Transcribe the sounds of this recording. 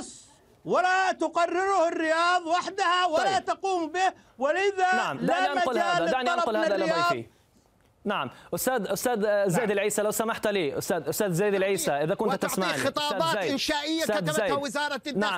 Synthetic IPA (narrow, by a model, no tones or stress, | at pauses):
sˤ | walat̪ʊqɑrːɪɾʊhɪrːɪjɑːðˤwaħd̪ahawalat̪ɑquːmbɪh | wɪʔɪðanaʕamdaaniʔaaʊlaːad̪aʕniʔanqʊlhaːaːjɑaːi | naʕamʔʊst̪aːd̪ʔʊst̪aːd̪zajd̪ɪlʕiːsalawsamaħt̪liːʔʊ̰st̪aːd̪ʔʊst̪aːd̪zajd̪ɪlʕiːsaʔɪðakʊntt̪t̪ɪsmanxɨtt̪ˤɑːbɑːt̪ːʔɪnʃaːʔɪjːaad̪aajwɪzɑːɾˤɑna